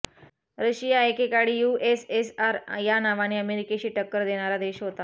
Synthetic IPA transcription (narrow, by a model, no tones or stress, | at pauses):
ɾəɕijaekekaɽiːjuːʔesesaɾjanaʋañiːəmeɾikeɕiːʈəkːəɾd̪eɽ̃aɾad̪eɕɦot̪a